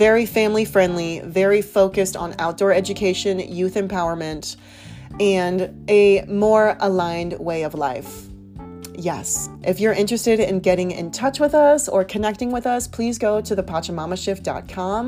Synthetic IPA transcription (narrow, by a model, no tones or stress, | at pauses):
vɛɹifæ̃mlifɹɛ̃ndˡlivɛɹifoʊkɨstn̩a̰ʊt̚d̥ɔɹɛd͡ʒɨkʰeɪʃɨ̃njʉθɨ̃mpʰaʊə˞mɨ̃nt | ɨ̃ndɨmɔɹəlãɪ̃nd̚weɪʌvla̰ɪf | jɛ̰sʔɨfjə˞ʔɪ̃nt͡ʃɹ̥ɨstɨɾɪ̃nɡɛɾɪ̃ŋɪ̰̃ntʰʌt͡ʃwɨðʌsə˞kʰɨnɛk̚tɪ̃ŋwɨðʌspʰl̥izɡoʊɾɨðɨpʰɑt͡ʃɨmɑməʃɪfd̥ɑ̰t̚kʰɑ̃m